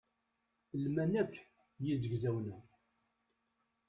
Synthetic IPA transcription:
lmænækːjizəɡzæwnæ

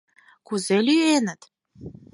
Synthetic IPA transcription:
kuzelʲyenət̪

